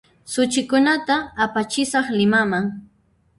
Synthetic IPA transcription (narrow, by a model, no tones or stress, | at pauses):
sʊt͡ʃɪkʊnat̪aːpat͡ʃɪsɑχlɪmamaŋ